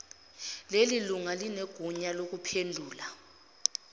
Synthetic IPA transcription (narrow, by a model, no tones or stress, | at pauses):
leliluŋalineɡ̥ʱuɲalok̬upʰendʱuːla